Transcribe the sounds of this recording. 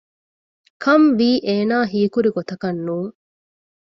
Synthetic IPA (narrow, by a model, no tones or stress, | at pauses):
kʰɐmʋiːʔeːnaːɦiːkuɾiɡot̪ɐkɐnːuːŋ